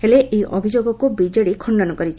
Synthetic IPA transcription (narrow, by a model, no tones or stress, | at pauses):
heleʔejʔɔ̰bʱid͡ʒoɡɔkubid͡ʒeɽikʰɔɳɖɔnɔkɔɾit͡ʃʰ